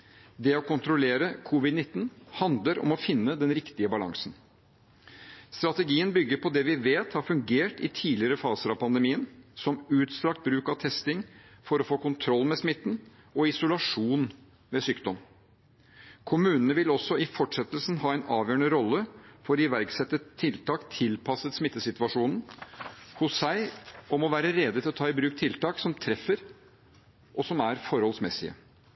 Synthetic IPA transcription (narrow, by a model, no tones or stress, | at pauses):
d̪ɛɔkʊnt̪ɾʊleːɾəkʰuʋɪd̪nɪt̪ːn̩hɑnd̪ləɾɔ̰mɔfɪnːəd̪ɛnɾɪkt̪ɪəbɑlɑ̰ŋsn | st̪ɾɑt̪ɛɡiːənbʏɡːəɾpʰɔd̪ɛʋɪʋeːt̪hɑɾfʉŋɡeːʈɪ̰t̪ʰiːlɪəɾəfɑːsəɾɑʋpʰɑnd̪ɛmiːənsɔmʉːt̪st̪ɾɑkt̪̚bɾʉːkɑʋt̪ʰɛst̪ɪŋfɔɾɔfoːkʊnt̪ʰɾɔlːmɛsmɪt̪ːn | ɔɪsʊlɑʂuːn | ʋɛsyːkd̪ɔm | kʰʊmʉːnənəʋɪlɔsːɔɪfɔʈʂɛt̪ːəlsn̩hɑːɛɪnɑːʋjœːəɳəɾɔlːəfɔɾɪʋæɾksɛt̪ːət̪ʰːɪlt̪ʰɑːkt̪ʰɪlpʰɑsət̪smɪt̪ːəsɪt̪ʋɑʂuːnn̩ | hʊsːæɪɔmɔʋæːɾəɾɛd̪ət̪ʰɪlɔt̪ʰɑːɪbɾʉːk̚t̪ʰɪlt̪ɑːksɔmt̪ʰɾɛfəɾ | ʔɔsɔmæɾfɔɾhɔlsmɛsɪ̰ə̰